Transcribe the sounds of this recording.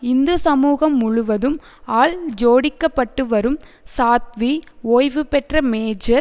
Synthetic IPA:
ɪnd̪ɯsɐmuːɣɐmːʊɻʊʋɐðɯm | aːɭd͡ʒoːɽɪkːɐpːɐʈːɯʋɐɾɯm | saːt̪̚ʋioːjʋɯpɛʈrɐmeːd͡ʒɐɾ

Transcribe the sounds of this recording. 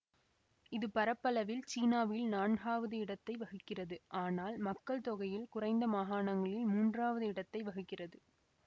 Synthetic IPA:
ɪðɯpɐɾɐpːɐlɐʋɪlt͡ʃiːnaːʋɪlnaːɳɣaːʋɐðɯɪɽɐt̪ːɐɪʋɐɣɯkːɪrɐðɯʔaːnaːlmɐkːɐɭt̪ɔɣɐjɪlkʊrɐɪnd̪ɐmaːɦaːɳɐŋɡɐɭɪlmuːndraːʋɐðɯɪɽɐt̪ːɐɪʋɐɣɯkːɪrɐðɯ

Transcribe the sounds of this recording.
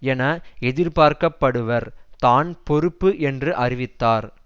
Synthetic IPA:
ɛnɐɛðɪɾpaːɾkɐpːɐɽɯʋɐɾt̪aːnpɔɾɯpːɯʔɛndrɯʔɐrɪʋɪt̪ːaːɾ

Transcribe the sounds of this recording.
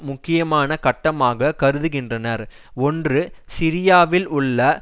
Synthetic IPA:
mʊkːɪjɐmaːnɐkɐʈːɐmaːɣɐkɐɾɯðɯɣɪndrɐnɐɾ | ɔndrɯsɪɾɪjaːʋɪlʊɭːɐ

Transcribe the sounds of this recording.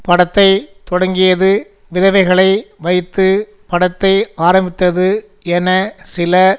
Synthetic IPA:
pɐɽɐt̪ːɐɪt̪ɔɽɐŋɡɪjɐðɯ | ʋɪðɐʋɐɪɣɐɭɐɪʋɐɪt̪ːɯ | pɐɽɐt̪ːɐɪaːɾɐmbɪt̪ːɐðɯ | ɛnɐsɪlɐ

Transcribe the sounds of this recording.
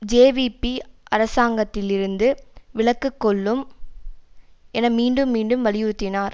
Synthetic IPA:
d͡ʒeːʋipːiʔɐɾɐsaːŋɡɐt̪ːɪlɪɾɯnd̪ɯʋɪɭɐkːɯkːɔɭːɯm | ɛnɐmiːɳɖɯmːiːɳɖɯmʋɐlɪjɯɾɯt̪ːɪnaːɾ

